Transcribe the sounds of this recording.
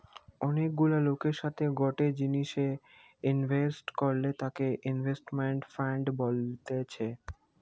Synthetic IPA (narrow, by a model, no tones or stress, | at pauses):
ɔnek̚ɡulalokeɾʃat̪ʰeɡɔʈed͡ʑiniʃe | inbʱesʈkoɾlet̪akeʔinvʱesʈmeɳʈfaɳɖbolt̪et͡ɕʰe